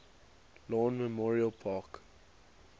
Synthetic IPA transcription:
lɔ̃nməmɔɹiəlpʰɑːk

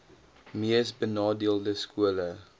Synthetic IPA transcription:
miəsbənɑːdiəlˠdəskuələ

